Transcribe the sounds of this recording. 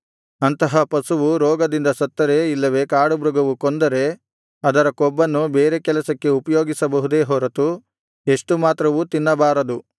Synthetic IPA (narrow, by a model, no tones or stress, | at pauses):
ɐnt̪ɐɦɐpɐsuʋuɾɔːɡɐd̪ind̪ɐsɐt̪ːɐɾeːilːɐʋe̞kaːɽubɾuɡɐʋukɔnd̪ɐɾe̞ | ɐd̪ɐɾɐkɔbːɐnːubeːɾe̞kɛlɐsɐkːe̞upɐjoːɡisɐbɐɦud̪e̞ːɦɔːɾɐt̪u | e̞ʂʈumaːt̪ɾɐʋut̪inːɐbaːɾɐd̪u